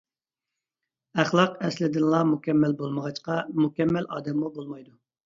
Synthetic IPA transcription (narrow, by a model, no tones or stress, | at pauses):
æχlˠɑqɛslɪd̪ɪnlˠɑmukʲɛmːælbolˠməʁɑt͡ʃqɑmukʲɛmːælɑ̰ːd̪ɛmːubolˠmɑjd̪u